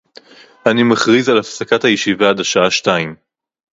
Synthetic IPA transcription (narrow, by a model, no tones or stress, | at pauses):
ʔanimaχʁizalhafsakathajeʃivaːd̪aʃaaʃtaim